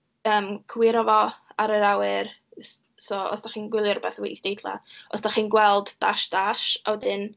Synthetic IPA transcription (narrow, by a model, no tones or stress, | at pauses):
əːmkʰwɪɾɔvɔaɾəɾawɨr | sɔɔ̰sd̥aχiːnɡwɪlˠjɔɾbɛθweisd̥ejdlˠa̰ɔsd̥aχiːnɡwɛlˠdd̥aʃd̥aʃawdɨn